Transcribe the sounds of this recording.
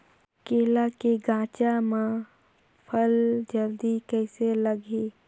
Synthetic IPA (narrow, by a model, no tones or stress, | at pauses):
keːlakeɡãːt͡ʃamã | pʰəld͡ʒəld̪ikɛːseləɡeː